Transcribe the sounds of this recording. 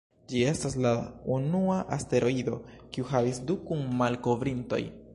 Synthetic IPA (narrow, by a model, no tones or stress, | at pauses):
d͡ʒie̞staslaunuaʔaste̞ɾo̞ido̞kiuhavisdukunmalko̞vɾinto̞̰j